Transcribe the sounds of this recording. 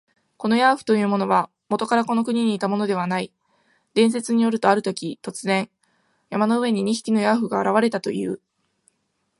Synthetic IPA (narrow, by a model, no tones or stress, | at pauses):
ko̞no̞jaːɸɯ̟̥t̪o̞jɯ̟ːmo̞no̞β̞a | mo̞t̪o̞kaɾako̞no̞kɯ̟ɲ̟iɲ̟iːt̪amo̞no̞d̪e̞βanai | d̪̥ẽ̞ɰ̃s̬e̞t͡sɨɲ̟ijo̞ɾɯ̟t̪o̞aɾɯ̟t̪o̞kʲit̪o̞t͡sɨzẽ̞ɰ | jamano̞ɯ̟e̞ɲ̟iɲ̟içi̥kʲino̞jaɸɯ̟ɡaːɾaβ̞aɾe̞t̪at̪o̞̰jɯ̟̰ː